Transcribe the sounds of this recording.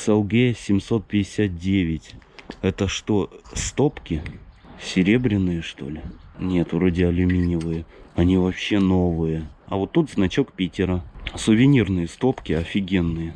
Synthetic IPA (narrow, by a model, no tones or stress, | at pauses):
sɛlˠɡʲesʲɪmso̞t̪̚pʲɪdʲɪsʲat̪̚dʲevʲɪtʲɛt̪əʂt̪ost̪o̞pkʲɪ | sʲɪɾʲe̞bɾʲɪnːɨjəʂt̪o̞̰lʲɪnʲe̞t̪vɾo̞dʲɪɐlʲʊmʲinʲɪvɨjəɐnʲivɐpɕːe̞no̞vɨjəɐ̰vo̞t̪ːut̪znɐt͡ɕokpʲitʲɪɾəsʊvʲɪnʲirnɨjəst̪o̞pkʲɪɐfʲɪɡʲe̞nːɨjə